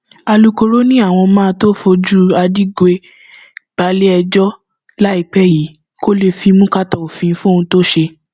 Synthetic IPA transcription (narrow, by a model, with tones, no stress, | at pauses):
a˧lu˧ko˧ɾo˦nĩ˦a˦˨w̃ɔ̃˧mãː˦˧to˦fo˧d͡ʒu˦a˧di˦ɡe˧˦ | ɡ͡b̥a˨˦le˦ɛ˧d͡ʒɔ˦ | la˦i˦˨k͡pɛ˦ji˨˦ | ko˦le˧fi˧mũ˦ka˦tɔ˨o˨fĩ˨˧fũ˦˨ũ˧to˦ʃe˧